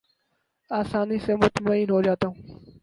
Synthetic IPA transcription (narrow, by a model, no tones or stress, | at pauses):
aːsaːnisemʊt̪maːiːnɦoːd͡ʒaːt̪aɦũː